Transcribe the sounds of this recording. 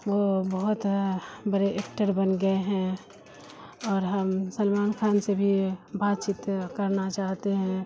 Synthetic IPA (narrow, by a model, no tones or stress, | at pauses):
ʋobɐɦʊt̪bəɾeʔekʈəɾbənɡəeɦɛ̃ | ɔːɾɦəmsəlmaːnkʰaːnsebʱibaːt̪t͡ʃɪt̪kɐɾnat͡ʃaːɦt̪eɦɛ̃